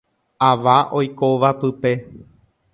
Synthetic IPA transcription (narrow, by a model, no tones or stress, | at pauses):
aʋaʔo̞jko̞ʋapɨpe̞